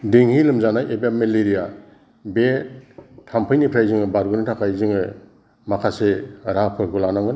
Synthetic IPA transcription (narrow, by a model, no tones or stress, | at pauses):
diŋhilɯmzanajʔebameleɾija | be | tʰampʰɯjnipʰɾajzɯŋɯbaɾɡunatʰakʰajzɯŋɯ | makʰaseɾapʰɯɾɡulanaŋɡɯn